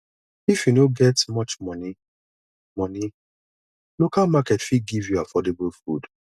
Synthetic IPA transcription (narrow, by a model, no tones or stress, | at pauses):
ifjunoɡɛtmɔt͡ʃmɔni | mɔni | lokalmakɛtfiɡivjuafɔdebulfṵd